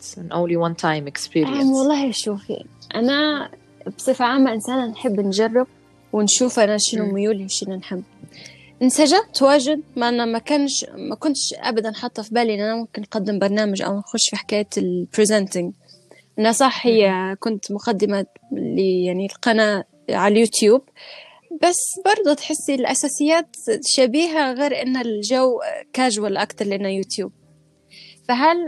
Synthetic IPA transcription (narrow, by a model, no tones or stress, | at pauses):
nʔõ̰ːnliwant̪ʰajmɪkspiːɾiawɑlˤːɑːhʔaʃuːfḭʔana | bsˤɨfaʕaːmːaʔɪnsaːnanħɪbːnʒɑrˤːɪb̚ | wɪnʃuːfʔanaʃɪnʊmʊjuːliwʃɪnanħɪmː | ʔɪnsaʒamt̪waːʒɪd̪̚maʔanamakanʃmakʊnt̪ʃʔa̰bad̪anħɑt̪ˤːɑfibaːlʔɪnʔanamʊmkɪnːqad̪ːɪmbɑɾˤnaːmaʒʔa̰wanxʊʃfiħḁkaːjːalpɾɪzɛnt̪ɪŋ | ʔɪnhasˤɑħhɪjːakʊnt̪mʊqad̪ːɪmalɪjaʕnilqɑna | ʕaljuːt̪juːb̚ | basːbɑɾˤd̪ˤut̪ħɪsːilʔasaːsɪjːaːt̪t̪ʃaːbiːɦaɣeːɾʔɪnːalʒawkaːʒwalʔɑkt̪ɑɾˤlʔɪnːajuːt̪juːb̥̚ | faɦal